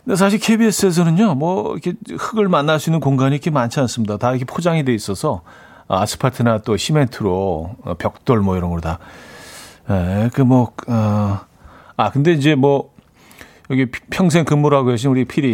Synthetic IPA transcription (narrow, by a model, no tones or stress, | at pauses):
ndes̬ʰaɕ̬ʰiɭkʰe̞bies͈ɯe̞s̬ʰʌnɯnɲomwʌḭkʰe̞hɯɡɯɭmanːaɭs͈uinːɯnkoŋɡaɲikʰemːant͡ɕʰians͈ɯmɲidataɾkʰe̞pʰod͡ʑaŋidwe̞is͈ʌsʰʌ | ʌ̰as͈ɯ̥pʰatʰɯnat͈oɕʰime̞ntʰɯɾoʌ̰pjʌk̚t͈oɭmwʌiɾʌnɡʌda | jekɯmwʌʌ | akɯnde̞ind͡ʑe̞mwʌ | jʌɡipʰjʌŋs̬ʰe̞ŋkɯmːuɾɦaɡoeɕ̬ʰinuɾipʰiɾi